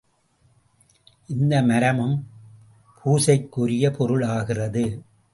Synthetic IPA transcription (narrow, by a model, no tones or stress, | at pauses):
ʔɪnd̪ɐmɐɾɐmɯm | pʰuːsɐɪkːʊɾɪjɐpʰɔɾɯɭaːɣɪrɐðɯ